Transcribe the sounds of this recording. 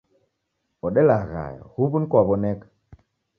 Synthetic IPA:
ɔɗelaɣa̰jhubunkabɔnek

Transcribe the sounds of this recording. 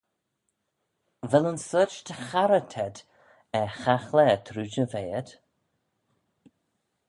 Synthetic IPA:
vɛlənsət͡ʃt̪ʰəxaɾət̪ʰɛd̪ | ɛxaxlɛt̪ʰɾuːd͡ʒəveːəd̪̥

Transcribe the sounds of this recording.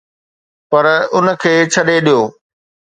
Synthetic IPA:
pɐɾʊnə̆kʰeːt͡ɕʰɐɗeɗijoː

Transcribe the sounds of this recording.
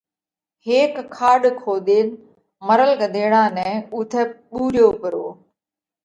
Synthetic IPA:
heːkʰːaːɗkʰoːd̪eːn | məɾəlkəd̪ʱeːɽãːnɛ̃ːʊt̪ʰɛɓuːɾɪjoːpəɾo̰ː

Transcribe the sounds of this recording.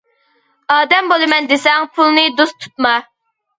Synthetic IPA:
ɑːd̪ɛmbolˠɨmɛnd̪esɛŋpʰulˠnɨd̪ust̪ʰu̥t̪̚mɑ

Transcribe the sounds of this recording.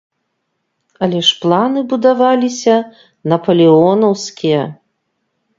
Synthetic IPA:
ɐlʲɛʂplˠanɨbud̪avalʲisʲɐ | nɐpɐlʲɛɔnɐwskʲijɛ

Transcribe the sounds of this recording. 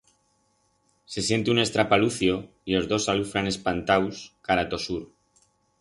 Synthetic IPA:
se̞sje̞nt̪eune̞st̪ɾapaluθjo̞ | ilo̞zðo̞salufɾane̞spant̪awskaɾat̪o̞suɾ

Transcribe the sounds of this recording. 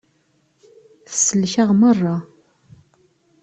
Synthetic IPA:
θə̥səlːʃaʁmərˤːɑ

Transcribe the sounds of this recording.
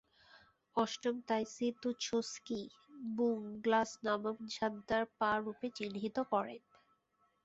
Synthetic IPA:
ɔʃʈomt̪ajsit̪ut͡ɕʰoskibuŋɡlasnamamd͡ʑʱad̪ːaɾpaɾupet͡ɕinɦit̪okɔɾen

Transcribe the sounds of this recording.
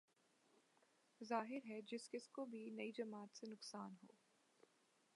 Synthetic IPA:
zaːɦɪɾɦɛd͡ʒɪskɪskobʱinɐid͡ʒɐmaːt̪senʊqsaːnɦo̰ː

